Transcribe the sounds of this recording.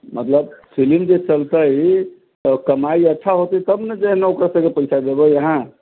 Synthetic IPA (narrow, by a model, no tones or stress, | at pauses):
mət̪ləb̚fʰilimd͡ʒet͡ʃəlt̪əi | kəmaiətːʃʰaɦot̪ət̪əbned͡ʒeɦneokɾasə̃kepəjt͡ʃʰad̪ebəjəɦã